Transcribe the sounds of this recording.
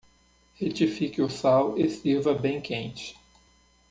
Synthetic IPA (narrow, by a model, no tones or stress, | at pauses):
het͡ʃifikɪʊsawest̪iɾvɐbẽj̃kʰẽnt͡ʃɪ̥